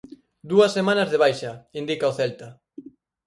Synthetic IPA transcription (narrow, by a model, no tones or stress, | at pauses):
d̪uɐsːemãnɐzðeβ̞ajʃaind̪ikaoθɛlt̪a